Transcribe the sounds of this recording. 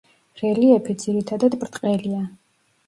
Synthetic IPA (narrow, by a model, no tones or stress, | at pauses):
ɾɛliɛpʰid̪z̥iɾit̪ʰad̪ad̪bɾt̪ʼqʼɛlia